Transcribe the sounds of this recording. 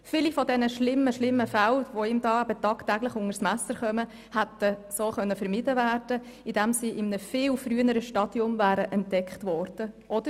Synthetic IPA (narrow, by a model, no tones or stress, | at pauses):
fɪlifɔdɛnəʃlɪmːəʃlɪmːəfælʋoɪmdɑːæbətɑːktæɡlɪχʊŋəɾsmæsəɾχœmə | hæt̪əsoːχœnːəfɛɾmɪdəvæːrd̥ə | ɪd̥ɛmsiːʔɪmnəfɪːlfɾyənəɾəʃtɑd̥iʊmvæːɾəʔɛntdɛkχtʋɔrd̥əʔɔd̥̪ə